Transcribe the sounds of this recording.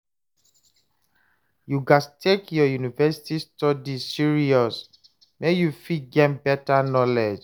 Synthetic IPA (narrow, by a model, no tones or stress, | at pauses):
juɡastʰekjɔjunivɛsi̥tistɔdisiɹiɔs | mejufiɡɛ̃mbɛtanɔlɛd͡ʒ